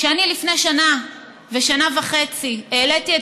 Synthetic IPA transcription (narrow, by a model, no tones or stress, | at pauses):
ʃeanilifne̞jʃana | ve̞ʃanavaχe̞t͡sieːletie